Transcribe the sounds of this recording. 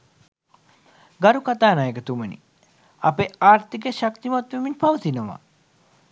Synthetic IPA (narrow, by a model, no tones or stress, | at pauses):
ɡaɾukat̪aːnajekət̪umənḭ | apeaːɾt̪ikəʃak̚t̪imat̪ʋeminpaʋət̪inəʋa̰